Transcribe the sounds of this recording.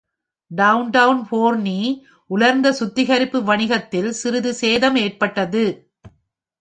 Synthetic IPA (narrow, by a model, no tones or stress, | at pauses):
ɖɐʊnʈɐʊnpoːɾniː | ʔʊlɐɾnd̪ɐsʊt̪ːɪɣɐɾɪpːɯʋɐɳɪɣɐt̪ːɪlsɪɾɯðɯseːðɐmeːrpɐʈːɐðɯ